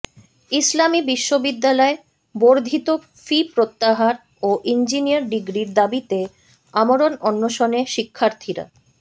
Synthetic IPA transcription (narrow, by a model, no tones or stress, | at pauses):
islamibiʃːobid̪ːalɔe | boɾd̪ʱit̪o | fipɾot̪ːaɦaɾ | oʔind͡ʑiniaɾɖiɡɾiɾd̪abit̪e | amoɾonɔnːoʃoneʃikʰːaɾt̪ʰiɾa̰